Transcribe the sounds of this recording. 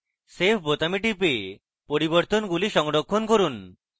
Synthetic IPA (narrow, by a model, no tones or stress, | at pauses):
sepʰbot̪amiʈipe | poɾiboɾt̪onɡuliʃɔŋɖokʰːonkoɾun